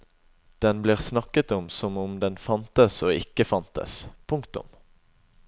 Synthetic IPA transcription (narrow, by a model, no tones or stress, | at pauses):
d̪̥ɛnbliːʁsnɑkət̪ɔmsɔmʊmd̪ɛnfɑnt̪əsoːɪkːəfɑnt̪ə̰spʰʊŋkt̪ʊ̰m